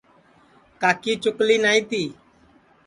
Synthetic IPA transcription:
kaːkiːt͡ʃʊkliːnaːĩt̪iː

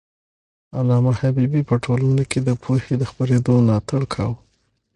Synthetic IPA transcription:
anɑmahabibipəʈʰolanokʰed̪əpʰohed̪əxpaɾed̪onɑt̪aɽkʰɑw

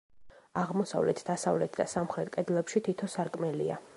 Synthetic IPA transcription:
aʁmɔsa̰vlɛt̪ʰd̪asavlɛt̪ʰd̪asamχɾɛt̪ʼkʼɛd̪lɛpʃit̪ʰit̪ʰɔsaɾkʼmɛlia

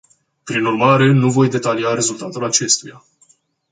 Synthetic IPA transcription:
pɾinurmaɾe̞nuvo̞jd̪e̞t̪aliaɾe̞zult̪at̪ulat͡ʃe̞st̪uja̰

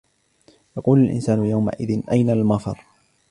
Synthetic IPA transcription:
jɑquːlalʔɪ̰nsaːnʊjawma̰ʔɪðɪnʔajnalmɑfɑɾˤ

